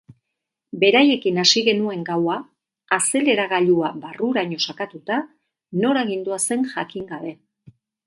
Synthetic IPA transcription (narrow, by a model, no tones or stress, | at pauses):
be̞ɾaje̞kinasiɣe̞nue̞ŋɡawaː | se̞le̞ɾaɣaʎuabaruɾaɲo̞sakat̪ut̪a | no̞ɾaɣ̞ind̪uase̞ŋʝakiŋɡaβ̞e̞